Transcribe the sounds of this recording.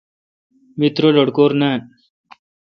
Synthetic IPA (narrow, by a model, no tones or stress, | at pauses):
mit̪ɾoloɽkoːɾna